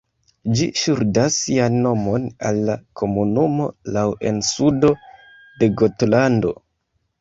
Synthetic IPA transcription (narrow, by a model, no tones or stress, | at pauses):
d͡ʒiʃuɾdasːianːo̞mo̞na̰lːakʰo̞munumo̞̰lawe̞̰nsudo̞ | de̞ɡotlando̞̰